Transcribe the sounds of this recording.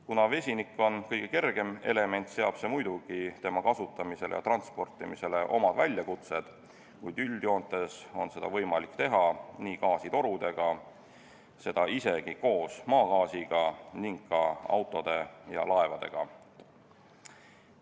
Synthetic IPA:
kunɑve̞sʲinikːˑo̞nkɤjɡ̥e̞ke̞rɡ̥e̞me̞̰le̞me̞nt̪ˑse̞ɑb̥se̞mujd̪uɡ̥it̪e̞mɑkɑsut̪ːˑɑmise̞lejɑ̰t̪rɑnt̪spo̞rt̪ːˑimise̞le̞ʔo̞̰mɑd̪̥vælʲjɑkut̪se̞d̪̥ | kujd̪̥ylʲd̪̥jo̞ːnt̪ːˑe̞so̞nse̞d̪̥ɑ̰vɤ̞jmɑlikːt̪e̞ɦɑniːkɑːsit̪o̞ɾud̪̥e̞ɡ̥ɑ | se̞d̪̥ɑise̞ɡ̥iko̞ːsmɑːɡɑːsiɡ̥ɑniŋɡ̥kːɑɑ̰wt̪ːˑo̞d̪̥e̞jɑ̰lʔɑe̞vɑd̪̥e̞̰ɡ̥ɑ̰

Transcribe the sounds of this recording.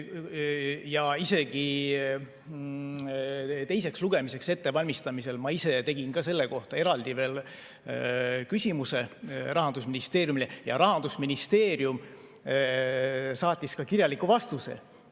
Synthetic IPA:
jɑise̞ɡ̥i | t̪e̞jse̞ksluɡ̥e̞mise̞kse̞t̪ːe̞vɑlʲmist̪ɑmise̞lmɑise̞t̪e̞ɡ̥inkɑse̞lːe̞ko̞ht̪ɑe̞ɾɑld̪̥ive̞ːl | kysʲimuse̞rɑɦɑnd̪usminist̪e̞ːɾjumilejɑɾɑɦɑnd̪usminist̪e̞ːɾjum | sɑːt̪ʲˑːiskɑkirjɑlikːˑuvɑst̪use̞̰

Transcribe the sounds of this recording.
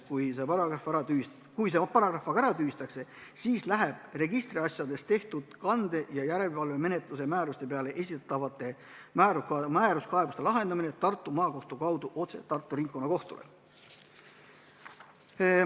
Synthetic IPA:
kujsepɑɾɑɑfɾɑy | kujs̬epɑɾɑɡ̥rɑfɑɡ̥ɑæɾɑt̪yːist̪ɑkse̞siːslæɦeb̥re̞ɡist̪riɑsjɑd̪e̞st̪e̞ht̪ud̪̥kɑnd̪e̞jɑjæɾe̞lvɑlve̞me̞ne̞t̪ˑluse̞mæːɾust̪e̞pe̞ɑle̞ʔe̞sʲit̪t̪ːɑvɑt̪ːˑe̞ | mæːɾumæːɾuskɑe̞bu̥st̪e̞lɑɦe̞nd̪̥ɑmine̞t̪ɑrt̪ːˑumɑːko̞ht̪ukɑwd̪̥uʔo̞t̪se̞̰t̪ɑrt̪ːˑuɾiŋkːˑo̞nːɑko̞ht̪ṵlḛ

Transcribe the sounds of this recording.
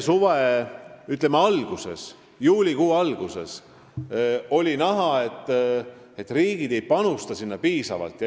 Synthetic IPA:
suveyt̪ːˑlemːeɑlɡ̥use̞̰s | juːlʲikuːɑlɡ̥use̞̰s | o̞lʲinæɦɑe̞t̪ˑː | e̞t̪ːriːɡ̥id̪̥e̞jpɑnust̪ɑsinːɑpiːsɑvɑ̰lt̪ˑj

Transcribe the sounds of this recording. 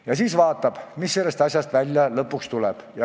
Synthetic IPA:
jɑsiːsvɑːt̪ːˑɑb̥misːe̞lːe̞st̪ɑsʲjɑst̪vælʲjɑlɤpːˑukst̪ulɛb̥jɑ

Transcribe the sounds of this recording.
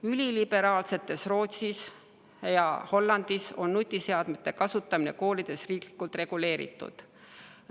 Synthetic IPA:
ylʲilib̥e̞ɾɑːlse̞t̪ːˑe̞sro̞ːt̪sis | jɑho̞lːɑnd̪̥iso̞nːut̪ʲˑːise̞ɑd̪̥met̪ːˑe̞kɑsut̪ːˑɑmine̞̰ko̞ːlid̪̥e̞sriːkli̥kːult̪re̞ɡ̥ule̞ːɾḭt̪ːˑṵd̪̥

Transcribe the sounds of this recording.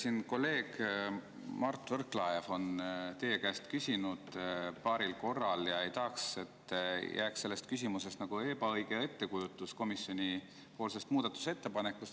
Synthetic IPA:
sinko̞lːe̞ːɡ̥ | mɑrt̪ːˑvɤrklɑe̞vo̞nt̪e̞jekæːst̪kysʲinud̪̥pɑːɾilko̞rːɑljɑe̞jt̪ɑhkset̪ːjʔæːkse̞lːe̞st̪kys̬ʲimuse̞st̪nɑɡ̥ue̞ːbɑɤjɡe̞e̞t̪ːe̞kujut̪ːˑusko̞misjo̞nʲi | po̞ːlse̞st̪muːd̪ɑt̪ːˑu̥se̞t̪ːe̞pɑne̞kːˑust̪

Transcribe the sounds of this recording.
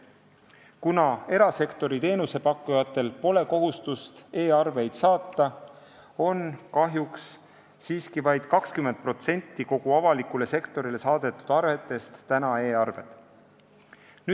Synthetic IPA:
kunɑe̞ɾɑse̞kt̪o̞ɾit̪e̞ːnuse̞pɑkːˑujɑt̪ːˑe̞lpo̞le̞ko̞ɦust̪ust̪e̞ːɑrve̞jd̪̥sɑːt̪ːˑɑ | o̞nkɑɦjuksː | iːskivɑjd̪̥kɑkskymend̪̚pro̞t̪se̞nʲt̪ːiko̞ɡ̥uɑvɑlikule̞se̞kt̪o̞ɾile̞sɑːd̪̥e̞t̪ːˑud̪̥ɑrve̞t̪ːˑe̞st̪ːænɑe̞ːɑrve̞̰d̪̥ | ny

